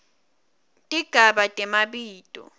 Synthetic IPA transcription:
tʼiɡ̥ʱaɓatʼɛmaɓiːtʼɔ̰

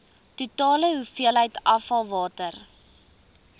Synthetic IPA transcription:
tutɑːləɦufiəlɦəjtɐfɐlˠvɑːtər

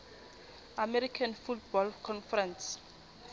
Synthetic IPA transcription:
amɛɾikʰanfutbɔlkʰɔnfɛɾɛ̃ns

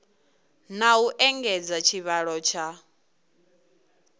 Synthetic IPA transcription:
nauʔɛŋɡɛd͡zat͡ʃʰiβaɺɔt͡ʃʰa

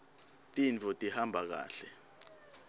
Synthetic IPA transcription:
tʼint͡fʰɔtʼihambʱak̬a̰ːɬɛ

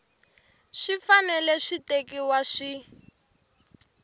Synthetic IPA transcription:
ʃifanɛlɛʃitekiwaʃi

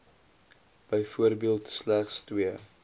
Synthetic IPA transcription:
b̥əjfuəɾbiəlˠtslæχstwiə

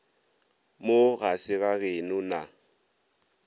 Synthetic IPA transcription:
moɣasɪɣaɣenʊna

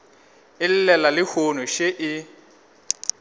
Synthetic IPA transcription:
ɪl̩lɛlalɪhonʊʃeʔɪ

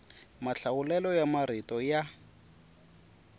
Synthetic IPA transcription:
maɬaʊlɛlɔjamaɾitɔja

